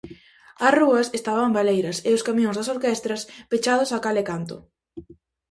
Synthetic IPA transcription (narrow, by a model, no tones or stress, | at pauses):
ɐsruɐsest̪aβɐmbalejɾɐseʊskamjõŋzðɐsoɾkest̪ɾɐspet͡ʃað̞ʊsakalekant̪ʊ̰